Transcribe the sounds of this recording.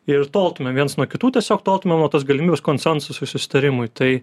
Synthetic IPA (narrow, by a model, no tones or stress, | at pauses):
ɪrt̪oːlˠt̪ʊmʲɛmʋʲiɛnsnuɔkʲɪt̪uːt̪ʲiɛsʲoːkt̪oːlˠt̪ʊmʲɛmnuɔt̪ɐs̬ɡɐlʲɪmʲiːbʲɛskoːnʲsʲɛnsʊsʊɪsʊsʲɪ̥t̪ɐɾʲɪmʊjt̪ɐɪ